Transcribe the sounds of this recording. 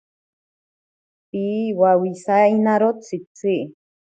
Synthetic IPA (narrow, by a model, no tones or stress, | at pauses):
tiwawisainãɾot͡sit͡siʔ